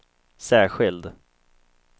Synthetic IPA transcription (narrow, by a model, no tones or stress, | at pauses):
sæːɧɪld̪